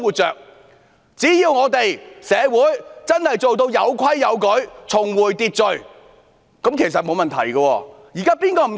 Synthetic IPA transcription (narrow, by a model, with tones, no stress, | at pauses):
ŋwuː˨˩t̚t͡ʃœː˨k̚ | t͡siː˨˥jiː˧wŋɔː˨˧t̪e˨jsɛː˨˧wuː˨˥jt͡sɐ˥nhɐ˨jt͡so˨wt̪o˧wjɐ˨˧wkʰɐ˥jːɐ˨˧wkɵ˨˥ɥt͡sʰʊ˨˩ŋwuː˨˩jt̪iː˧t̚t͡sɵ˨ɥ | kɐ˨˥mkʰe˨˩js̬ɐ˨t̚mo˨˧wmɐ˨nt̪ʰɐ̰˨˩jɡɐ˧wɔː˧ | jiː˨˩kaː˥piː˥nkɔː˧m˨˩